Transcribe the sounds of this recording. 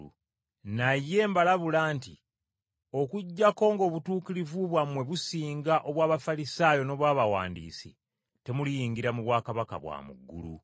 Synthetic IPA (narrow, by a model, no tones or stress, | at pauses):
najːe̞ːmbalaβulaːnti | o̞kuɟːako̞ːŋɡo̞ːβutuːkiɾivuβwamwe̞βusiːŋɡaʔo̞βwaːβafalisaːjo̞no̞ːβwaːβawa̰ːndḭːsḭ | te̞mulijiːŋɡiɾamuβwaːkaβaka̰βwa̰ːmṵɡːṵlṵ